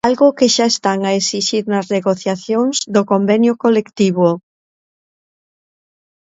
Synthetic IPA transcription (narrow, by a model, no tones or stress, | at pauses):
alɣʊkeʃaest̪aŋaesiʃiɾnɐzneɣoθjaθjoŋzd̪okombɛnjʊkolekt̪iβʊ